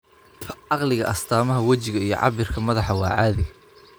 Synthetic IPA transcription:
ɑqlɪɣɐ̰ʔɐst̪ʰaːmɐɦɐwɐt͡ʃɪɣɐijɞ̰ʕɑ̰βɪrkʰɐmɐðɑħɑwɑːʕɑːðɪɣɐ

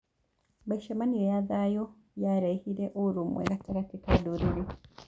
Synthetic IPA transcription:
baiʃamaniejaðajo | jaɾehiɾeʔouɾumwḛɡataɾatikaduɾiɾi

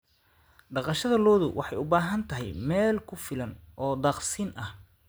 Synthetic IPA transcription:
ɖɑqɑʃɐðɐlɔːðʊwʔɑħɑjʊbaːɦɐnt̪ʰɐɦɛjmɛːlkʰʊfɪlɐnʔɔːd̪ɑːqsiːnʔɐh

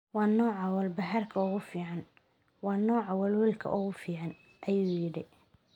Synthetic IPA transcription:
wɑːnɔːʕɑwɐlbɐɦɐrkʰɐʊɣʊfiːʕɑn | wɑːnɔːʕɑwɐlwɪlkʰɐ̰ʔʊɣʊfiːʕɑn | ʔɐjuːjɪɽɪ

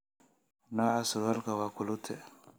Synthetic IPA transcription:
naasuɾwalkawakulut̪ʰe

